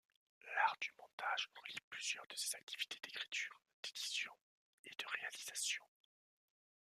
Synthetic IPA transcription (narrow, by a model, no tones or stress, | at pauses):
laʁd̪ymɔ̃t̪ʰaʒʁəliplyzjœʁd̪əsez̥ak̚t̪ʰi̥v̥i̥t̪ʰed̪ekχi̥t̪ʰyːʁ | d̪̥ed̪̥isjɔ̃ | ed̪̥əʁealizasjɔ̃